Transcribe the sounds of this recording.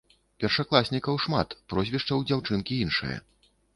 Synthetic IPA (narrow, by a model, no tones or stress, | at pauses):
pʲɛrʂaklˠasʲnʲikɐwʂma̰t̪pɾɔzʲvʲiʂt͡ʂɐwd͡zʲawt͡ʂɨnkʲiinʂɨ̰jɐ̰